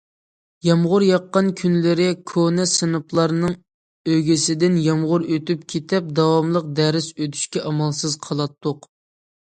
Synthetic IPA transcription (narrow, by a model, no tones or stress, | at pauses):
jɑmʁʊɾjɑqːɑnkʲʰynlɪɾɪkʰonɛsɨnɨplˠɑɾnɨŋ | øɡʲɪsɪd̪ɪnjɑmʁʊɾøt̪ypkʲʰet̪ʰɛp̚d̪ɑwɑmlˠəq̚d̪ɛɾɪsøt̪ʰy̥ʃkʲɛʔɑmɑlˠsɨzqʰɑlˠɑt̪ːʊq